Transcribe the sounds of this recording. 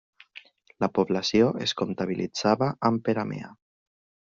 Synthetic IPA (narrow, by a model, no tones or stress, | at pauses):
lapoβlasjoeskunt̪aβ̞ilid͡zaβaʔːmpeɾamḛa